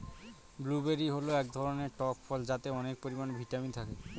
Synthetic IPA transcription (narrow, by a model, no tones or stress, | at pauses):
blubeɾiɦoloɛkd̪ʱɔɾoneɾʈɔpfʰɔld͡ʑat̪eɔnek̚poɾimanbʱiʈamit̪ʰake